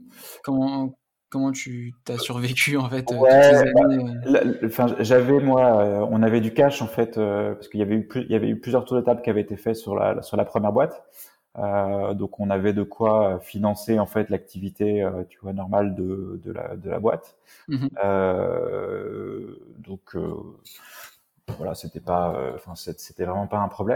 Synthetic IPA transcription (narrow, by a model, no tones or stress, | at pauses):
kɔmɑ̃ | kɔmɑ̃t̪yt̪asyʁvekʲyɑ̃fɛt̪wɛbalaɑ̃fɛ̃ʒʒavɛmwaøɔ̃navɛd̪ykaʃɑ̃fɛt̪øpaʁsə̥kəiljavɛyplyiljavɛ̰yplyzjœʁt̪uʁd̪ət̪apkʲiavɛet̪efɛt̪syʁla̰syʁlapχəmjɛʁbwat̪ | ød̪ɔ̃kɔ̃navɛd̪əkʰwaøfinɑ̃seɑ̃fɛt̪lak̚t̪ivit̪eøt̪yvwanɔʁmald̪əd̪ə̰la̰d̪əla̰bwa̰t̪ | ø | d̪ɔ̃kʰø̰ | vwala̰set̪ɛpaø̰ɑ̃fɛ̃sɛse̥t̪ɛvʁɛmɑ̃paɛ̃pχɔblɛm